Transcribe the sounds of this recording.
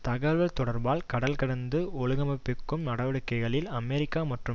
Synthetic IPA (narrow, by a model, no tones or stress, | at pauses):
t̪ɐɣɐlʋɐlt̪ɔɽɐɾbaːlkɐɽɐlkɐɽɐnd̪ɯɔɭɯɣɐmɐpːɪkːɯmnɐɽɐʋɐɽɯkːɐɪɣɐɭɪlɐmɛɾɪkːaːmɐʈrɯ